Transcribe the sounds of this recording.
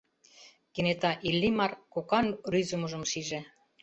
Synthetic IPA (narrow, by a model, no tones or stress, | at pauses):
kenet̪ɑʔilʲːimɑrkokɑnryzumuʒə̆mʃiʒe